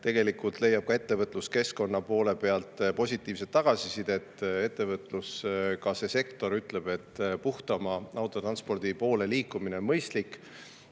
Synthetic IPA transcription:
t̪e̞ɡe̞likult̪le̞jɑb̥̚kɑe̞t̪ːe̞vɤt̪ˑluske̞sko̞nːɑpo̞ːle̞pe̞ɑlt̪ˑpo̞sʲit̪ːˑiːvset̪ːɑɡ̥ɑsisid̪̥e̞t̪ːe̞t̪ːe̞vɤt̪ːˑluskɑse̞se̞kt̪o̞ɾyt̪ːˑle̞b̥e̞t̪ːˑpuht̪ɑmɑɑwt̪ːˑot̪rɑnspo̞rd̪̥ipo̞ːle̞liːkˑːumineonmɤjst̪likːˑ

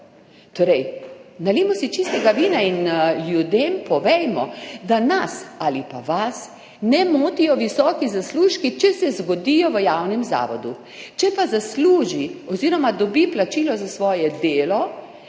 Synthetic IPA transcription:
t̪oːɾɛjnaleːmɔsit͡ʃist̪ɛɡaʋiːnainljud̪empɔʋɛjmɔd̪anasalipa̰ʋas | nɛmoːt̪ijɔʋisɔːkizasluːʃkit͡ʃɛsɛzɡɔd̪ijɔʋəjawnɛmza̰ːʋɔd̪u | t͡ʃɛpazasluːʒiɔziːɾɔmad̪ɔbiplat͡ʃiːlɔzasʋɔːjɛd̪eːlɔ

